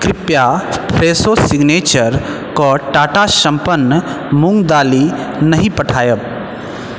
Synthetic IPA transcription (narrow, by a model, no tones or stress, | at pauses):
kɾɪpjapʰɾeːsosɪɡneːt͡ʃəɾ | koʈaːʈaʃɐ̃mpənːə | mʊ̃ŋɡd̪aːli | nɐɦĩpɐʈʰaːjə